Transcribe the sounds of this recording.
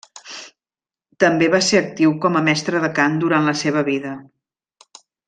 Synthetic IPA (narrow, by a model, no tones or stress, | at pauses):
t̪əmbeβaseɾək̚t̪iwkɔməmɛst̪ɾəðəkand̪uɾanləseβ̞əβiðə